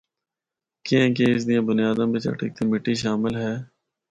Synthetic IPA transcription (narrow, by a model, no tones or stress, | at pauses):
kiẽːk̬eɪs̬d̪ɪjãːbʊnijaːd̪ãːbit͡ʃə̰ʈə̰k̚t̪imɪʈːiʃ̬aːmɪlɦɛː